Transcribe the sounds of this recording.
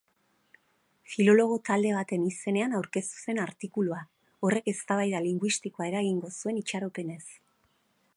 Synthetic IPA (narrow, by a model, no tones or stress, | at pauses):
filo̞lo̞ɣ̞o̞t̪ald̪e̞β̞at̪e̞nise̞ne̞anawɾke̞st̪u̥se̞naɾt̪ikulua | o̞re̞ke̞st̪aβ̞ajðaliŋɡwist̪iko̞ae̞ɾaɣiŋɡo̞sue̞nit͡ʃaɾo̞pe̞ne̞s